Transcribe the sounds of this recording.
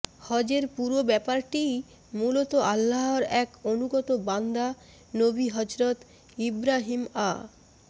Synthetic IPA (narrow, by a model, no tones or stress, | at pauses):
hɔd͡ʑeɾpuɾobɛpaɾʈi | mulot̪oʔalːaɦoɾɛkonuɡɔt̪oband̪a | nobiɦʌd͡ʑɾot̪ | ibɾaɦima̰